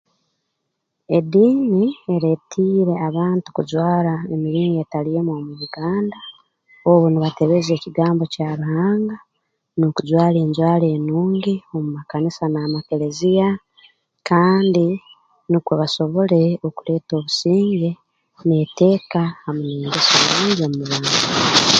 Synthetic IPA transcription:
e̞diːnieɾetʰiːɾe̞aβaːntu̥kuzwaːɾaemiɾiːŋɡe̞talije̞mwoːmuβuɡaːnda | oβuniβate̞βe̞ze̞ːciɡaːmbo̞caɾuhaːŋɡa | nokuzwaːleːɲzwaːle̞ːnuːŋɡio̞mumakanisanaːmake̞ɾe̞zija | kaːndi | nukweβaso̞βo̞le̞okule̞ːto̞ːβusiːŋɡe | nete̞ːkahamuneːŋɡesomɾiːɲɡomumuβaːŋɡa

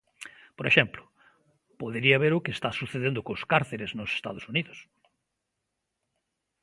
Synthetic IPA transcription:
poɾeʃɛmplʊ | poðeɾiaβeɾʊkest̪asuθeðend̪ʊkoskaɾθeɾeznʊse̥st̪a̰ðosuniðʊs

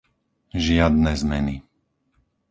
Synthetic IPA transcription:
ʒɪad̪nɛzmɛni

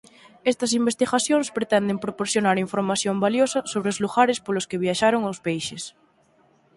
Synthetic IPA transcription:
est̪ɐs̬imbest̪iɣaθjõŋspɾet̪ɛnd̪empɾopoɾθjonaɾiɱfoɾmaθjombaljosɐsoβ̞ɾeozluɣaɾespoloskeβ̞jaʃaɾoŋawspejʃes

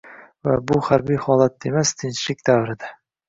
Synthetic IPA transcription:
vabʊχaɾbijhɒlˠat̪̚ːemast̪ʰɪnʃlɪk̚ʲd̪avɾɪd̪a

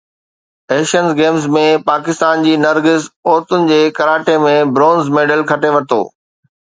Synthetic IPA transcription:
eːʃənzɡeːmzmẽpaːkɪst̪aːnd͡ʑiːnɐɾɡɪzoːɾt̪ʊnɪ̆d͡ʑeːkɐɾaːʈemẽbɾõːnzmeːɖəlkʰɐʈeʋɐt̪o̰ː

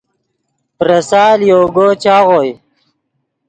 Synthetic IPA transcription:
pɾɐsaːljoːɡot͡ɕaːʁoːj

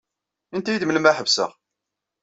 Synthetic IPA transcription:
ənt̪æjəd̪mələmæħəvsə̰ʁ

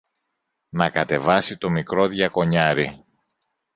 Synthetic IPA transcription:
nɐkɐt̪e̞vɐsit̪o̞mikɾo̞ðʝɐko̞ɲɐɾi

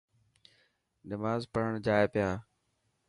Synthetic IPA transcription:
nɪmaːzpəɾ̤əɳd͡ʒaːeːpɪjaː

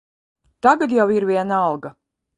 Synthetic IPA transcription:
t̪aɡat̪jawiɾvʲiɛnalˠɡa

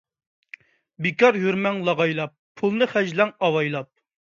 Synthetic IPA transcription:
bɪkɑɾjyɾmɛŋlˠɑʁɑjlˠɑp̚ʰːulˠnɨχæd͡ʒlɛŋɑwɑjlˠɑp̚

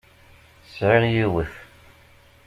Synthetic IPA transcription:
sʕɪʁjiwəθ

